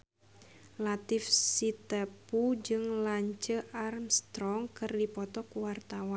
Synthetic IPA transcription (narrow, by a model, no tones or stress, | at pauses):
lat̪ɪfsit̪əpud͡ʒɨŋlaɲt͡ʃəʔarmst̪ɾɔŋkɨrdipɔt̪ɔkwart̪awan